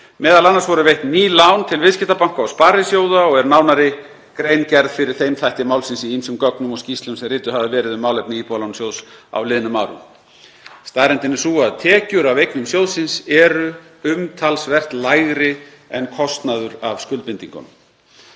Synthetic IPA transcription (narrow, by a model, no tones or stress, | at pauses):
mɛːðalanːaɾsvɔɾʏvejht̪nniːlawnt̪ʰɪlvɪðscɪht̪apaŋ̥kawspaːɾɪsjoːwðaɔɣɛɾnaːwnaɾɪ | kɾejncɛɾðfɪɾɪɾ̥θejmθajht̪ɪmaːwlsɪnsiinsʏmkœknʏmɔɣscist̪lʏmsɛmrɪːt̪ʏhavɪvɛːɾɪðʏmːaːwlejpnɪiːpɔlawnsjowðsa̰wlɪːðɪnʏmːawɾʏ̰m | st̪aðɾɛnt̪ɪnːɪsuaðt̪ʰɛːcʏɾavejknʏmsjowðsɪnsɛɾʏ | ʏmt̪ʰalsvɛr̥t̪laːjɣɾɪ | ɛnkʰɔst̪naðʏɾavskʏlt̪pɪnt̪iŋkʏ̰n